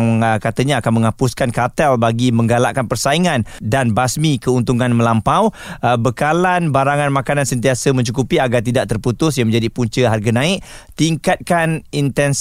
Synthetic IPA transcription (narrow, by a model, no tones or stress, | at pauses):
ŋkat̪əɲaːkanmə̃ŋapuskankat̪ɛlbaɡimə̃ŋɡalaʔkanpərsaiŋãndanbasmĩkəunt̪uŋãnmə̃lampawbəkalanbaɾaŋanmãkanansənt̪iasəmə̃ɲt͡ʃukupiaɡart̪idaʔ̚t̪ərput̪ʊsjãŋmə̃ɲd͡ʒadipuɲt͡ʃəɦarɡanãɪʔt̪iŋkat̪̚kanint̪ɛns